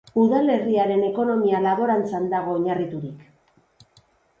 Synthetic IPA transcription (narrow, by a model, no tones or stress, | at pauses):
uðale̞riaɾe̞ne̞ko̞no̞mialaβo̞ɾant͡sand̪aɣ̞o̞ːɲarit̪uɾik